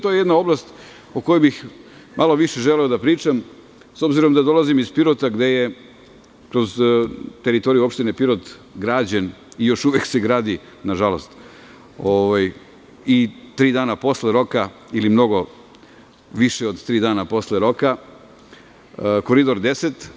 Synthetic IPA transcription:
t̪ojejed̪nao̞blast̪ | oko̞jubixmʔalˠo̞ʋiʃe̞ʒe̞leod̪apɾiːt͡ʃam | so̞bziɾo̞md̪ad̪o̞lˠazimizpiɾot̪aɡd̪e̞je̞ | kɾo̞zt̪e̞ɾit̪o̞ɾijuo̞pʃt̪ine̞piɾot̪ɡɾaːd͡ʑenijo̞ʃuʋekse̞ɡɾaːd̪i | naʒalo̞st̪ | oʋaj | it̪ɾiːd̪aːnapo̞sleɾo̞kailimno̞ɡo̞ | ʋiʃeo̞d̪t̪ɾiːd̪aːnapo̞sle̞ɾo̞ka | ko̞ɾid̪o̞ɾd̪e̞set̪

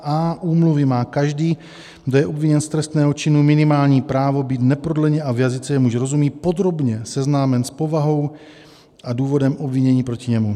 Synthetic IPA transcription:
aːʔuːmluvɪmaːkaʒdiː | ɡdojɛʔo̞bviɲɛnst̪ɾɛst̪nɛːɦot͡ʃɪnumɪnɪmaːlɲiːpɾaːvo̞biːt̪nɛpɾodlɛɲɛʔavjazɪt͡sɛjɛmuʒɛɾo̞zumiːt̪̚po̞d̪ɾo̞bɲɛsɛznaːmɛnspo̞vaɦo̞w | ʔaduːvo̞dɛmʔobviɲɛɲiːpɾo̞cɪɲɛmu

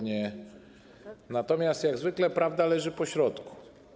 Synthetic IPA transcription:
ɲɛ | nat̪ɔmʲjast̪jaɡzvɘklɛpɾavd̪alɛʐɘpɔɕɾɔt̪ku̥

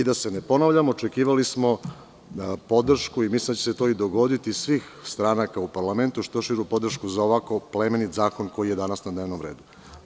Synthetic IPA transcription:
id̪ase̞nepo̞naʋʎamoot͡ʃekiːʋalismo̞ | po̞d̪r̩ʃkuimislind̪at͡ɕeset̪o̞ːid̪oɡo̞d̪it̪isʋiːxst̪ɾanakaupaɾlˠame̞nt̪uʃt̪oʃiɾupo̞d̪r̩ʃkuzaoʋako̞plemenit̪zaːko̞nko̞jijed̪anasnad̪ne̞ːʋno̞mɾeːd̪u

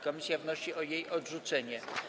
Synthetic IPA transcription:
kɔmʲisʲjavnɔɕiʔɔjejʔɔdʐut̪sɛɲɛ

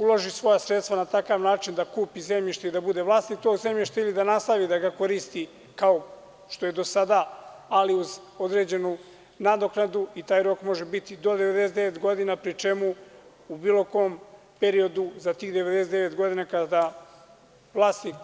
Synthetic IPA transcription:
ulˠo̞ʒisʋo̞jasɾe̞t̪st̪ʋanat̪akaʋnaːt͡ʃind̪akuːpize̞mʎiʃt̪eid̪abud̪e̞ʋlˠaːst̪nik̚t̪o̞ːɡze̞mʎiʃt̪ailid̪anast̪aʋid̪aɡako̞ɾist̪i | kao | ʃt̪o̞je̞d̪o̞sad̪aaliuz | o̞d̪ɾe̞ːd͡ʑe̞nu | nad̪o̞knad̪uit̪aːjɾo̞kmo̞ʒebit̪id̪o̞d̪e̞ʋe̞d̪eset̪eʋet̪ɡo̞d̪inapɾit͡ʃe̞mu | ubiːlo̞ko̞m | pe̞ɾio̞d̪uzat̪iːɣd̪eʋe̞d̪es̬eeʋe̞t̪ɡo̞d̪inakad̪a | ʋlˠaːst̪nik

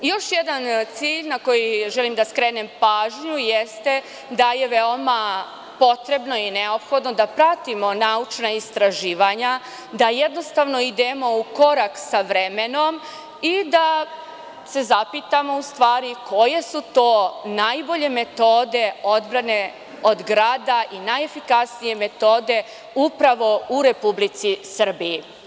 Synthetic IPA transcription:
jo̞ʃjed̪ant̪siːʎnako̞jiʒelimd̪askɾeːnempaːʒɲujest̪e̞ | d̪aje̞ʋeo̞ma | po̞t̪ɾe̞bno̞ineo̞pxo̞d̪no̞d̪apɾat̪imo̞naut͡ʃnaist̪ɾaʒiːʋaɲa | d̪ajed̪no̞st̪aʋno̞id̪emo̞uko̞ɾaksaʋɾe̞me̞no̞m | id̪a | se̞zapit̪amo̞ust̪ʋaːɾiko̞je̞sut̪o̞ːnajbo̞ʎe̞me̞t̪o̞ːd̪e̞o̞d̪bɾane̞ | o̞d̪ɡɾaːd̪aʔinajefikasnije̞me̞t̪o̞ːd̪e̞ | upɾaʋo̞uɾe̞publit̪sisr̩biji

